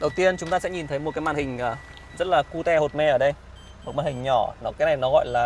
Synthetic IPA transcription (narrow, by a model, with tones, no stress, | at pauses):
ɗə˨˩wt̪i˧ənt͡ɕʊ˨˦ŋ͡mt̪aː˧sɛ̰˧˥ɲi˨˩nt̪ʰə˨˦jmo˨˩t̚kaː˨˦maː˧˨nhï˨˩ŋ̟ʔəː˨˩ | zə˦˥t̚laː˨˩ku˧t̪ɛ˧ho˨˩t̚mɛ˧ʔəː˧˩ɗə˧j | mo˨˩t̚maː˧˩nhï˨˩ŋ̟ɲɔ˧˩nɔ˨˦kaː˨˦na˨˩jnɔ˨˦ɣɔ̰˧˨jlaː˨˩